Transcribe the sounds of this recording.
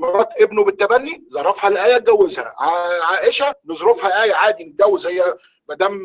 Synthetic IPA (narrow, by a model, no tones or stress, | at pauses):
mɑɾˤɑːt̪ʔebnobet̪ːæbænːizˤɑɾˤːɑfhælʔæːjæɡæwːezhæ̰ʕaʕaːʔeʃænezɾofhæʔæːjʕaːd̪ind̪æwzæjːæ | mæd̪æːm